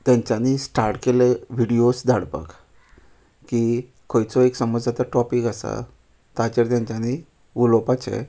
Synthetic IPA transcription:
t̪jãɲt͡ɕanisʈaɾʈkeleʋiɽiosd͡z̪ʱaɽpə̰k | ki | kʰojt͡sɔeksəməd͡zd͡zat̪aʈɔpikasa̰ | t̪at͡ɕeɾt̪jãɲt͡ɕani | ʋulɔpat͡ɕḛ

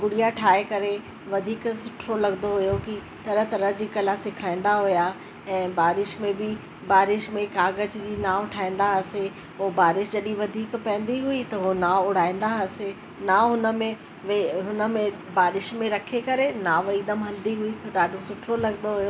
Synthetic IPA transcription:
ɡʊɽijaʈʰaːekɐɾe | ʋɐd̪ʱiːksʊʈʰɾolɐɡnd̪oɦʊjoki | t̪ɐɾəɦt̪ɐɾəɦd͡ʑiːkɐlasɪkʰaːĩn̆d̪aɦʊja | ɛ̃ːbaːɾɪʃmẽbɪ | baːɾɪʃmẽkaːɡəd͡ʑd͡ʑiːnaːʋʈʰaːĩːn̆d̪aɦɐse | ʊbaːɾɪʃd͡ʑɐɗiʋɐd̪ʱiːkpɐ̃ːn̆d̪iɦʊit̪ɐɦonaːʊɽ̤aːĩːn̆d̪aɦɐse | naɦʊnə̆mẽ | ʋeɦʊnə̆mẽ | baːɾɪʃmẽɾɐkʰekɐɾenaʋɐiːd̪əmɦɐld̪iɦʊit̪ɐɗaːɖʱosʊʈʰɾolɐɡnd̪oɦʊjoː

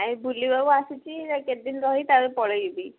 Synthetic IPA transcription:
ajbulibabuasut͡ʃiɾaked̪inɾɔɦit̪aɾepɔɽebi

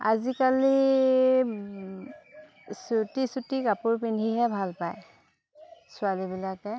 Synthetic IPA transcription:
a̰zikali | sutisutikapʊɹpindʱiɦɛbʱalpaj | sʊalibilakɛ

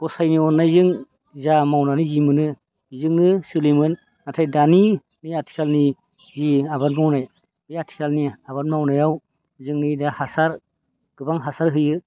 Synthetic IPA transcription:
ɡ̥ɔsajniɔnːajzɯŋ | zamawnanizimɯnɯ | zɯŋnɯsɯlimɯn | natʰajdani | niatʰi̥kʰalni | ziabatmawnaj | ɯjatʰi̥kʰalniaβatmawnajaw | zɯŋnɯdahasaɾ | ɡ̥ɯbaŋɦasaɾɦɯjɯ

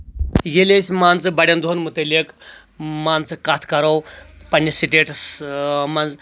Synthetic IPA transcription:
jelʲesʲmant͡sɨbaɽʲjand̪oɦonmut̪əlʲek | mant͡sɨkat̪ʰkɐɾawpanʲisiʈeʈ | mand͡z

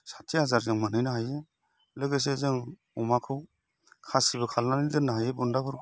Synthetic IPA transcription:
sḁtʰːihazaɾzɯŋmanɯjnɯɦaje | lɯɡɯs̬ezɯŋ | ɔmakʰɯw | kʰasibɯkʰalnanidɯnaɦajebundapʰɯɾ

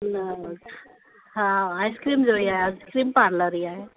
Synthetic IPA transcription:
na | ɦãajskɾimd͡ʒoiajaskɾiːmpaɾləɾia

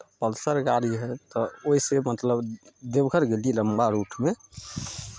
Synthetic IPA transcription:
pəlsəɾɡaɾiɦɛt̪ɔoisemət̪ləbd̪ebɡʱəɾɡeliləmbaɾuʈʰme

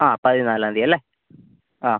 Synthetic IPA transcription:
ãːpɐðɯnaːlaːnd̪iɐlːe | ãː

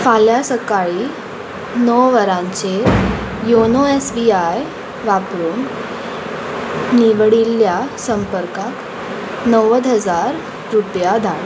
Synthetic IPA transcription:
faljasəkaɭiː | nɔwʋəɾãɲt͡sejonoesbiaj | ʋapɾuːn | niʋɽilːjasəmpəɾkak | nəwəd̪ɦəd͡zaɾ | ɾupjad̪ʱaɭ

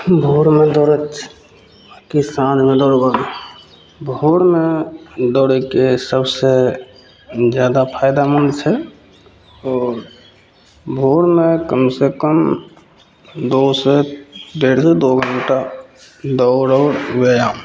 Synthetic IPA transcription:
bʱoɾmẽd̪oːɾət͡ʃ | kisãːd̪mẽd̪ɔːɾɡod̪ | bʱoːɾmẽd̪ɔːɾekesəbse | d͡ʒjaːd̪apʰaːɪd̪amənt͡ʃʰɛ | ɔːɾ | bʱoːɾmẽkəmsekəm | d̪osed̪eːɾsed̪oɡənʈa | d̪ɔːɾɔːɾʋejaːm

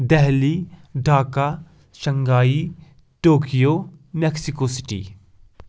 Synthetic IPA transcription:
d̪ɛɦliɖʱaːka | ʃɐŋɡaːi | ʈoːkijomeksikosi̥ʈḭ

